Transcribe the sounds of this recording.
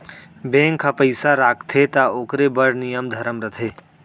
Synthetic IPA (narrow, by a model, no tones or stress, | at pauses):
bẽːŋkʰːapəjsaɾaːkt̪ʰet̪aoːkɾebəɽnijəmd̪ʱɐɾəmɾət̪ʰeː